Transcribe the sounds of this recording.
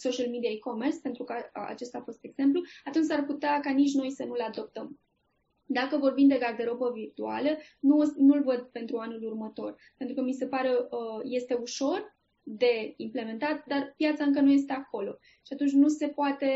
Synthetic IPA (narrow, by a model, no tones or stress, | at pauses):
so̞ʃəlmid̪iaikomerspe̞nt̪ɾukəa̰t͡ʃe̞st̪aːfo̞st̪e̞ɡz̥e̞mpluat̪unt͡ʃʲsarput̪eakanit͡ʃno̞jsənulad̪o̞p̚t̪əm | d̪akəvo̞rbimd̪e̞ɡard̪eɾo̞pəvirt̪ua̰lənunulvəd̪̚pe̞nt̪ɾuanulurmət̪o̞r | pe̞nt̪ɾukəmise̞paɾe̞je̞st̪e̞uʃo̞r | d̪e̞imple̞me̞nt̪at̪d̪arpjat̪saɨŋk̬ənuje̞s̬t̪e̞ako̞lo̞̰ | ʃiat̪unt͡ʃʲnuse̞poat̪e̞